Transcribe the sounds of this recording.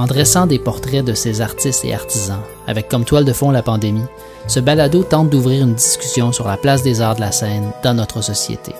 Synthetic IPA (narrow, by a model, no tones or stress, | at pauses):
ɑ̃d̪ʁɛsɑ̃d̪epɔʁt̪ʁɛd̪əsezaʁt̪ɪst̪ḛaʁt̪izɑ̃ | a̰vɛkʰːɔmt̪wald̪əfɔ̃lapɑ̃d̪emi | səbalad̪ot̪ɑ̃t̪̚d̪uvʁiːʁynd̪iskʲy̥sjɔ̃syʁlaplas̬d̪ezaːʁd̪əlasɛːnd̪ɑ̃nɔt̪χəsɔsjḛt̪ʰḛ